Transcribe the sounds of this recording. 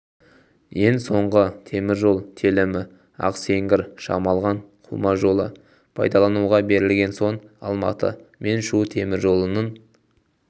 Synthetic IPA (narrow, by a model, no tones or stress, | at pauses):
je̞ŋso̞ɴʁət̪ʰe̞mɪɾʒo̞lˠt̪ʰelɪmɪ | ɑ̰qse̞ŋɡʲɪɾʃɑ̰mɑlˠʁɑɴqʰʊlˠmɑʒo̞lˠə | pʰɑ̰jd̪ɑlˠɑnuʁɑbe̞ɾɪlɡʲe̞nso̞ɴɑ̰lˠmɑ̰t̪ə̰me̞nʃut̪ʰe̞mɪɾʒo̞lˠənən